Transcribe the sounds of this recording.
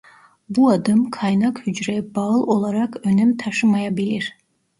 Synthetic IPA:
buɑd̪ɯmkʰɑjnakhyd͡ʒɾɛbaɯlˠo̞lˠaɾɑkønɛmt̪ʰɑʃɯmajabilʲiɾ̥

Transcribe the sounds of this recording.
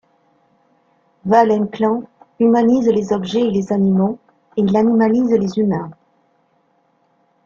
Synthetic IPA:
valɛ̃klɑ̃ymanizlezɔbʒɛelezanimo | eilanimalizlezymɛ̃

